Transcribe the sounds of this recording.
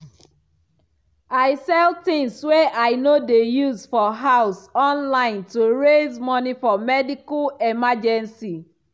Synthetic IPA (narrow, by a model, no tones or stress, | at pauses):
aɪsɛltĩŋswɛʔaɪnodejuzfɔɦaʊsɔ̃nlãɪ̃ntuɹezmɔnifɔmɛdikalɛmad͡ʒɛ̃nsi